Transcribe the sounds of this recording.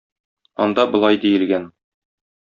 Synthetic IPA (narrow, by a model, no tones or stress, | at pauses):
ɒ̰nd̪ɑbŏlˠɑjd̪ijɘ̆lɡæn